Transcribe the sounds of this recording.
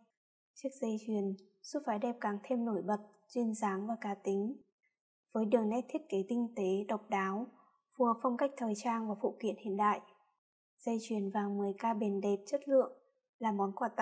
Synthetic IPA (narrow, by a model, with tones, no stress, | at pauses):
t͡ɕɨ˦˥ək̚zə˧jt͡ɕwi˨˩ən | su˦˥t̚faː˨˦jɗɛ˨˩p̚kaː˨˩ŋt̪ʰe˧mno˧˩jɓə˨˩t̚ | t͡ɕwi˧nzaː˨˦ŋvaː˨˩kaː˨˦t̪ï˨˦ŋ̟ | v̥əː˨˦jɗɨ˨˩əŋnɛ˦˥t̚t̪ʰi˦˥t̚ke˨˦k̪ï˧ŋ̟t̪e˨˦ɗə˨˩wk͡p̚ɗaː˨˦w | vu˧˩ə˨˩p̚fa˧wŋ͡mka˦˥jk̟̚t̪ʰəː˨˩jt͡ɕaː˧nvaː˨˩fṵ˧˨kwḭ˧˨ənhḭ˧˨ənɗa̰ː˧˨jʔ | z̥ə˧jt͡ɕwi˨˩ənvaː˨˩ŋmɨ˨˩əjkaː˧ɓe˨˩nɗe˨˩p̚t͡ɕə˦˥t̚lɨ̰˧˨əŋ | laː˨˩mɔ˨˦nkwaː˧˩t̪a̰˧˨